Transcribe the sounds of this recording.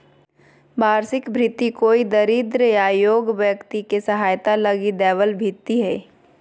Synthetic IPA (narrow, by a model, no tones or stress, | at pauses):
baːɾsɪkbʱɾɪt̪ːikoːid̪əɾiːd̪ɾəaːjoːɡʋjəkt̪ikesɐɦaːjt̪alɐɡid̪ɛːʋəlbʱɪt̪ːiɦɛː